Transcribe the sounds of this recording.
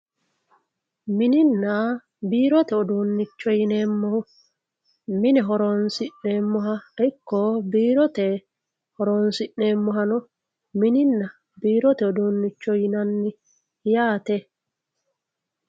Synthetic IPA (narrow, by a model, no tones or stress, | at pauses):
mɪnɪnːa | biːɾɔt̪ɛɔd̪unːɪt͡ʃːɔjɪneːmːɔhʊ | mɪnɛɦɔɾoːnsɪʔneːmːɔɦɐɛkːɔbiːɾɔt̪ɛ | hɔɾoːnsɪʔːeːmːɔɦɐnɔ | mɪnɪnːɐ | biːɾɔt̪ɛɔd̪uːnːɪt͡ʃːɔjɪnɐnːɪ | jaːt̪ɛ